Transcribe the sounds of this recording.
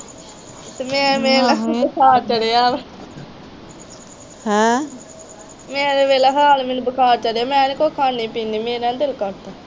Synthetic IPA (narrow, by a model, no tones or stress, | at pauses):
t̪emɛ̃ːmeːlebəkʰaːɾt͡ʃəɽejaː | hɛ̃ː | meːɾeːʋeːleɦaːlmɪnbəkʰaːɾt͡ʃəɽejaːmɛ̃ːnikoːkʰaːniːpiːniːmeːɾãːnd̪ɪlkɔɾt̪aː